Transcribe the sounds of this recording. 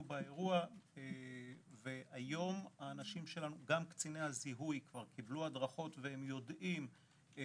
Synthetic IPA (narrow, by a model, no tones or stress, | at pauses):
ubaeʁua | veajo̞maːnaʃimʃe̞lanuɡamkt͡sinehaziɦujkvaʁkibluadʁaχo̞t̪vee̞mjo̞dim